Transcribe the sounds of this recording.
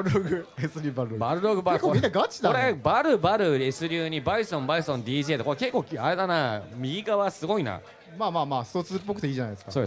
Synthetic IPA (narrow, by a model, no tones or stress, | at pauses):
ɾɯɾoɡɯesɨɾʲiːbaɾɯɾobaɾɯ̟ɾoɡɯ̟baɾkominːaɡat͡ɕid̪aoɾebaɾɯ̟baɾɯ̟esɨɾʲɨːɲ̟ibaisɨõmbaisɨ̥õnd̪ʲiːʑiet̪ekoɾeke̞kːo̞ːaɾe̞d̪anamʲiɡʲiɡaβasɨɡo̞ina̰ | maːmaːmaːst̪ot͡sɨpːo̞kɯ̟t̪eiːd͡ʑanajd̪eskasoːd̪e